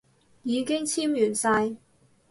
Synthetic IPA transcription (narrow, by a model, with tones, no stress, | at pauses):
jiː˨˧kɪ˥ŋt͡sʰiː˥mjyː˨˩nsaː˧j